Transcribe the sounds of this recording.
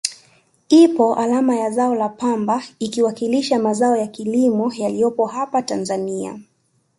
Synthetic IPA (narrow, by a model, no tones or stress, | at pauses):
ipɔʔalamajazaɔlapambaikiwakiliʃamazaɔjakilimɔjalijɔpɔhapatanzania̰